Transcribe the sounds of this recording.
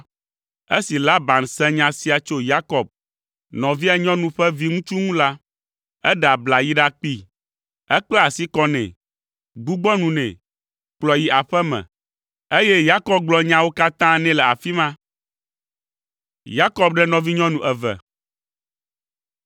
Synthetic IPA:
e˦si˨la˦ba˨nsɛ̃˦ɲã˨si˦a˨t͡ʃo˦ja˦kɔ˨b̚ | nɔ̃˨vi˦a˨ɲɔ̃˦nũ˨ɸɛ˦vi˦ŋũ˦t͡ʃu˦ŋũ˦la˦ | ɛ˦ɖa˨bla˨ji˦ɖa˦k͡pi˦ | ɛ˦k͡plɛ˦a˨si˦kɔ˦nɛ̰̃˨ | ɡ͡bu˦ɡ͡bɔ˦nũ˨nɛ̰̃˨ | k͡plɔ˨ji˦ʔa˨ɸɛ˦mɛ̰̃˨ | e˦jɛ˦ja˦kɔ˨b̚ɡ͡blɔ˨ɲã˦wo˦ka˦t̪ã˦nɛ̃˦lɛ˨a˨fi˦mã˦ | ja˦kɔ˦b̚ɖɛ˦nɔ̃˨vi˦ɲɔ̃˦nũ˨ʔɛ˨vɛ̰˨

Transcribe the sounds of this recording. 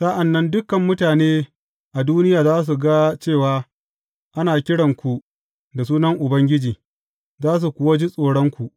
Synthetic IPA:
sa˦ʔa˨nːɐ˦ndʊ˦kɐ˨mːʊ˦taː˨neː˦ | ʔa˨duː˦nɪ˦jaː˨zaː˦s̬u˨ɡa˦t͡ʃeː˦˨waː˦ | ʔa˦naː˨kʲɪ˦ɽɐ˨ŋkʷu˨ʔ | da˨suː˦nɐ˦ŋʔʊ˨bɐ˦ŋɡʲɪ˦d͡ʒiː˨ | zaː˦s̬u˨kʷʊ˦wa˦d͡ʒi˦sʼoː˨ɽɐ˦ŋkʷu˨ʔ

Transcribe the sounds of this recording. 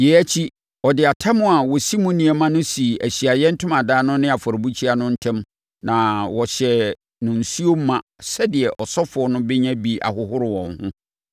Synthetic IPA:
jɛ˨æ˦t͡ɕʰi˦ | ɔ˨dɪ˨a˨tʰa˦mʊ̃˦˨a˨wɔ˨si˦mũ˦nĩ˨ɛ˨mã˦nʊ̃˦si˨æ˨ɕi˨a˨jɛ˦n̩˦tʰʊ̃˦mã˨daː˦nʊ̃˦nɪ̃˦a˨fɔ˨ɾɪ˨bu˦t͡ɕʰi˦a˨nʊ̃˦n̩˦tʰɛ̃˦m | nã˨wɔ˨ɕɛ˨ | nʊ̃˨n̩˨su˦o˦m̩˦mã˨sɛ˦dɪ˨ɛ˨ʔɔ˨sɔ˦fʊ˨ɔ˦nʊ̃˦bɛ˦ɲã˦bi˨ʔa̰˨ɦʊ˦hʊ˦ɾɪ˨wɔ̰̃˨nhʊ̰̃˦

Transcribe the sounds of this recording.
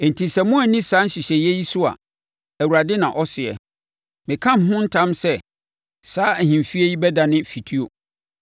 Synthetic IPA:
n̩˨tʰi˨sɛ˨mʊ̃˦æ˨nĩ˦saː˨˦n̩˦ɕɪ˨ɕɛ˨jɛ˦ji˦sʊ˦a̰˨ | æ˨wu˨ɾa˨dɪ˦nã̰˨ʔɔ˦sɪ˨ɛ̰˨ | mɪ̃˨kʰã˦˨m˨ɦʊ̃˦n̩˦tʰã˦msɛ˦˨ | saː˦æ˨hĩ˨mfi˦e˦ji˦bɛ˦da˨nɪ̃˦fi˨tʰi˦o˨

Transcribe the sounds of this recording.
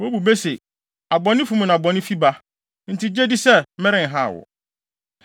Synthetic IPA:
wo˦bu˨be˦se˨ | a˨bɔ˨nɪ̃˦fu˦m̃˨nã˨a˨bɔ̃˨nɪ̃˦fi˦ba˦ | n̩˨tʰi˦d͡ʑe˦di˦sɛ˦mɛ̃˦ɾɪ̃˨ŋ˨ɦa̰˦˨wɔ̰˨

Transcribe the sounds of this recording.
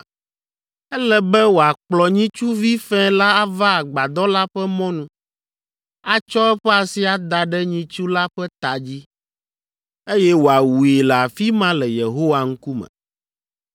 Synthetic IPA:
ɛ˦lɛ˦bɛ˦wo˨a˨k͡plɔ˨ɲĩ˦t͡ʃu˦vi˦fɛ̃˦la˦a˦va˦a˨ɡ͡ba˨d̪ɔ˦la˦ɸɛ˦mɔ̃˦nũ˦ | a˦t͡ʃɔ˦ɛ˦ɸɛ˦a˨si˦a˨d̪a˨ɖɛ˦ɲĩ˦t͡ʃu˦la˦ɸɛ˦t̪a˨d͡ʑi˦ | e˦jɛ˦wo˨a˨wu˨e˨lɛ˨a˨fi˦mã˦lɛ˨je˨ɦo˦wa˦ŋ̩˦ku˦mɛ̰̃˨

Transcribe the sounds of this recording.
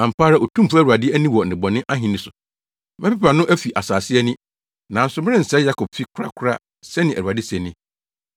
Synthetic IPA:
ã˨m̩˨paː˦ɾa˦˨o˨tʰũ˦m˦pu˦æ˦˨ɾu˨a˨dɪ˦æ˦nĩ˦wɔ˨n̩˨ɪ̃˨bɔ˨nɪ̃˦ʔa˦ɦĩ˨nɪ̃˨sʊ˨ | mɛ̃˦pɛ˦pa˨nʊ̃˦ʔæ˦fi˨ʔa˨saː˨sɪ˦ɛ˦nɪ̃˦ | nã˨˦n̩˦sʊ˨mɪ̃˦ɪ̃˦n̩˨sɛ˦ja˦kʰɔ˨b̥fi˦kʷʰɾa̰˦kʰʊ˦ɾa̰˦ | sɛ˦nɪ̃˨ʔæ˨u˨a˨dɪ˦sɛ˨nɪ̃˦

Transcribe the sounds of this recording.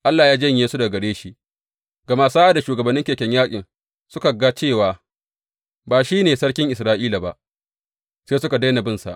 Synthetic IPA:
ʔa˦lːaː˨jaː˦d͡ʒɐ˦ɲjeː˦su˦da˨ɡɐ˨ɽeː˦ʃi˦ʔ | ɡɐ˨ma˦saː˦ʔa˦da˨ʃuː˨ɡɐ˨bɐ˨nːɪ˦ŋkʲeː˨kʲɛ˦ɲjaː˦kʲʼɪ˨n | sʊ˦ka˨ɡa˦t͡ʃeː˦˨waː˨ | baː˨ʃiː˦neː˨sɐ˦ɽkʲɪ˦ŋʔɪ˨s̬ɾaː˦ʔiː˦la˨ba˨ʔ | saː˦sʊ˦ka˨da˦na˨bɪ˦nsa̰˨ʔ

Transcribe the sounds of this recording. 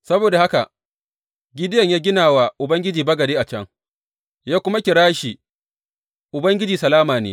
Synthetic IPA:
sɐ˦boː˨da˨ha˦ka̰˨ | ɡʲɪ˦dɪ˦jɐ˦˨ɲjaː˦ɡʲɪ˦naː˨wa˨ʔʊ˨bɐ˦ŋɡʲɪ˦d͡ʒiː˨bɐ˦ɡɐ˨deː˦ʔa˨t͡ʃɐ˦ŋ | jaː˦kʷʊ˦ma˦kʲɪ˨ɽaː˦ʃiː˨ | ʔʊ˨bɐ˦ŋɡʲɪ˦d͡ʒiː˨sɐ˨laː˦maː˨nḛː˦

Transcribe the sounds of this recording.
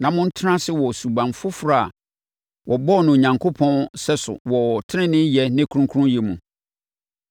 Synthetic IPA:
nã˨mʊ̃˦n̩˦tʰɪ˦nã˦sɪ˦wɔ˨su˨bã˨mfʊ˦fɾa˦˨a˨ | wʔɔ˨bɔ˦˨nʊ̃˨o˨ɲã˨ŋkʰo˦pʰɔ̃˦nsɛ˦sʊ̰˨wɔ˨tʰɪ˦nɪ̃˦nɪ̃˦jɛ˦nɪ̃˦kʰu˦ũ˦kʰu˦ũ˦jɛ˨mũ˨

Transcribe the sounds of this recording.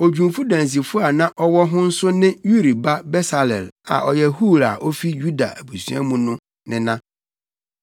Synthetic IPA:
o˨d͡ʑᶣũ˨mfu˦dã˨n˨s̬i˨fʊ˦a˨nã˦ʔɔ˦wɔ˦ɦʊ̃˦n̩˦sʊ˦nɪ̃˦ju˦ɾi˨ba˦bɛ˦sa˨lɛ̰˨la̰˨ʔɔ˨jɛ˦hu˦˨ɾa˨ʔɔ˦fi˦ju˦da̰˨æ˨bu˨sɥa̰˦mũ˦nʊ̃˦ | nɪ̃˦nã˦

